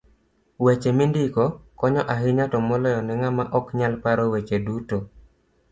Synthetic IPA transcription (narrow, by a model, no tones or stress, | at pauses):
wet͡ʃemindɪkɔkɔɲɔʔaɦɪɲatɔmɔlɔjɔnɛŋamaʔɔkɲalpaɾɔwet͡ʃeduto